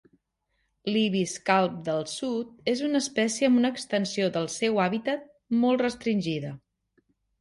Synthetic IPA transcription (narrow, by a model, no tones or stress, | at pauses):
liβiskalˠp̚d̪əlˠsut̪̚ezunəːspɛsiəəmbunəːkst̪ənsioðəlˠsɛwaβit̪ət̪̚ | mɔlˠt̪rəst̪ɾinʲʒiðə